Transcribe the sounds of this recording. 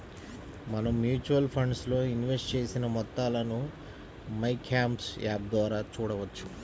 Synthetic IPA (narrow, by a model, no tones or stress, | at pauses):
mɐnɐmːjuːt͡ʃuwɐlpʰɐɳɖslo̞ːinʋesʈt͡ʃe̞ːsinɐmɔt̪ːaːlɐnu | mɐjkʰːaːmpsjaːb̚d̪ʋaːɾaːt͡ʃuːɽɐʋɐt͡ʃːu̥